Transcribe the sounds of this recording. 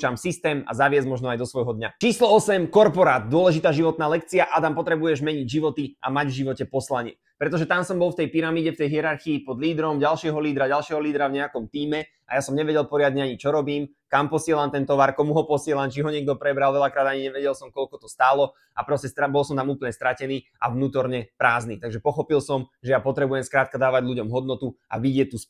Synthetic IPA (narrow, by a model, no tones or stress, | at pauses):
t͡ʃamsist̪ɛːma̰zaʋɪɛzmɔʒnɔajd̪ɔsʋɔjɦɔd̪ɲat͡ʃiːslɔɔsɛmkɔɾpɔɾaːd̪̚d̪ʊɔlɛʒit̪aːʒiʋɔt̪̚naːlɛkt͡siaʔad̪ampɔt̪ɾɛbujɛʒmɛɲiɟʒiʋɔt̪iʔa̰maɟvʒiʋɔcɛpɔslaɲɪɛ̰ | ppɾɛt̪ɔʒɛt̪amsɔmbɔlft̪ɛjpiɾamiːɟɛft̪ɛjɦiɛɾaɾxiːpɔd̪liːd̪ɾɔmɟalʃɪɛɦɔliːd̪ɾaɟalʃɪɛɦɔliːd̪ɾavɲɛakɔmt̪iːmɛ | a̰jasɔmɲɛʋɛɟɛlˠpɔɾɪad̪ɲɛaɲit͡ʃɔɾɔbiːm | kampɔsɪɛlaːmt̪ɛnt̪ɔʋaɾkɔmuɦɔpɔsɪɛlaːmt͡ʃiɦɔɲɪɛɡ̚d̪ɔpɾɛbɾalʋɛʎakɾaːd̪aɲiɲɛʋɛɟɛlˠsɔmkɔlkɔt̪ɔst̪aːlɔ | apɾɔscɛst̪abɔlˠsɔmt̪amuːpl̩ɲɛst̪ɾacɛniː | ʔa̰vnuːt̪ɔɾɲɛpɾaːzniːt̪aɡʒɛpɔxɔpilsɔmʒɛjapɔt̪ɾɛbujɛmskɾaːt̪̚kad̪aːʋaɟʎuɟɔmɦɔd̪nɔt̪ua̰ʋiɟɪɛct̪ːus